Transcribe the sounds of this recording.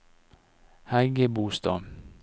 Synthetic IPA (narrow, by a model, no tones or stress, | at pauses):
hæɡəbuːst̪ɑ̰ː